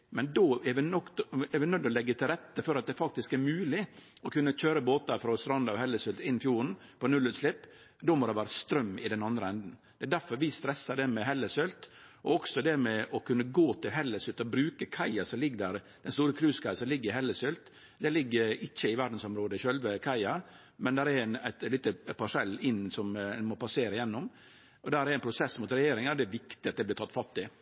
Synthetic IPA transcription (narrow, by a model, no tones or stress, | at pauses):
mɛnd̪oɛʋɪnɔk̪ɛɾʋɪnœd̪ːɔlɛɡːət̪ʰɪlɾɛt̪ːəfɔɾɑt̪̚d̪ɛfɑk̚t̪ɪskæɾmʉːlɪ | ɔkʰʉnːəc͡çøːɾəboːt̪ɑɾfɾɔst̪ɾɑnd̪ɑhɛlːəsʏlt̪ɪnːfjuːɾn̩pɔnʉlʉːt̪sʂlɪpː | d̪omɔd̪ɛʋæːɾəst̪ɾœmːɪ̰d̪ɛnɑnd̪ɾəɛnd̪n̩d̪̥ɛːd̪æɾfɔɾʋɪst̪ɾɛsːɑɖ̪ɛmɛɦɛlːəsʏlt̪ɔɔksɔd̪ɛmɛʔɔkʉnːəɡoːt̪ʰɪlɦɛlːəsʉlt̪ɔbɾʉːkəkʰɑɪɑsɔlɪɡːd̪æɾ | d̪̥ɛnst̪uːɾəkʰɾʉːskʰɑɪɑsɔmlɪɡːəɾɪɦɛlːəsœlt̪ | d̪ɛlɪɡːəɾɪçːəɪʋæɾɖn̩sɔmɾoːd̪əɪçœlʋəkʰɑɪɑ | mɛnd̪æɾɛɾnæɪt̪lɪt̪əpɑʂɛlːɪnːsɔmnmɔpɑseːɾəjɛnːʊm | ʔɔd̪æɾæɾæɪnpʰɾʊsɛsmʊt̪ɾɛjeːɾɪŋɑɾd̪ɛːɾʋɪkt̪ɪɑt̪̚d̪ɛɪblɪɾt̪ʰɑt̪ːfɑt̪ːɪ